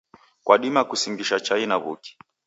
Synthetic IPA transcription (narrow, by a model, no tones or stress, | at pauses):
kwaɗimakusiŋɡiʃat͡ʃainaβṵki̥